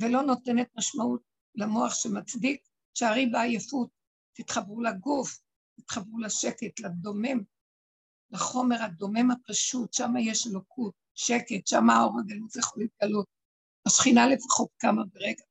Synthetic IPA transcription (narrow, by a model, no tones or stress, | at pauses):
velo̞no̞t̪ene̞t̪̚maʃmaut̪̚ | lamo̞aχʃemat͡sdik̚ | ʃeaʁibeajefut̚ː | it̪χabʁulaɡuf | t̪it̪χabʁulaʃeket̪lad̪o̞mem | laχo̞me̞ʁhad̪o̞me̞mhapaʃutʃamajeʃelokʰut̚ʃeketʃamaːoʁaɡalutjeχolit̪̚ɡalot̪̚ | aʃχinale̞fḁχo̞t̪̚kamabeʁeɡa